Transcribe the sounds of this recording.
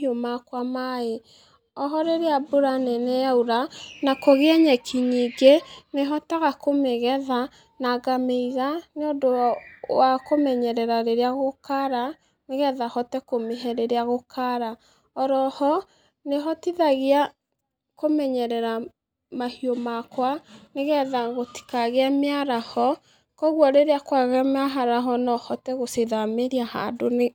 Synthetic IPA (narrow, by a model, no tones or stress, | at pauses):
iomakwamae | ɔɦɔɾeɾeaboɾanɛnɛjauɾanakoɣeɛɲɛkʰiɲiɡeneɦɔtaɣakomeɣɛða | naɡameiɣaneodowakomɛɲɛɾɛɾaɾeɾeaɣokaɾa | neɣɛðahɔtɛkomeɦɛɾeɾeaɣokaɾa | ɔɾɔhɔ | neɦɔtiðaɣea | komɛɲɛɾɛɾa | mahiomakwaneɣɛðaɣoti̥kaɣeameaɾahɔ | kɔɣwɔɾeɾeakwaɣɛamaɦaɾaɦɔnɔhɔtɛɣoseðameɾiaha̰done